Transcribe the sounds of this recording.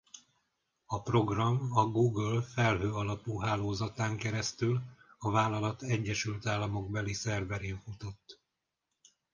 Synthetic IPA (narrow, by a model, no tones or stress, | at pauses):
ɒpro̞ɡrɒmɒɡuːɡlfɛlɦøːɒlɒpuɦaːloːzɒt̪aːŋkɛɾɛst̪ylɒvaːlːɒlɒt̪ɛɟːɛʃylt̪aːlːɒmo̞ɡbɛlisɛrbɛɾeːɱfut̪o̞t̪ː